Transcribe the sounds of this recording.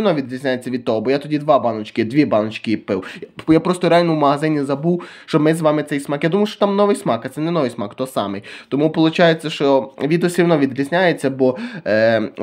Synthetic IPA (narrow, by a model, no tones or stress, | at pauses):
nɔʋʲid̪ɾʲizʲnʲajet͡sʲːɐʋʲid̪̚t̪ɔɦɔbɔjat̪ɔdʲid̪ʋɑbɑnɔt͡ʃkɪd̪ʋʲibɑnɔt͡ʃkɪpɪwjjapɾɔst̪ɔɾealʲnɔwmɐɦɐzɪnʲizɐbuwʃt͡ʃɔmɪzʋɑmɪt̪sɛjsmɑkjad̪umɐjʊʃt͡ʃɔ̥t̪ɑmnɔʋɪjsmɑkɐt̪sɛnɛnɔʋɪjsmɑkt̪ɔsɑ̰mɪjt̪ɔmupɔlˠʊt͡ʃajet͡sʲːɐʃt͡ʃɔʋʲid̪ɔsʲɾʲiwnɔʋʲid̪ɾʲizʲnʲajet͡sʲːɐbɔ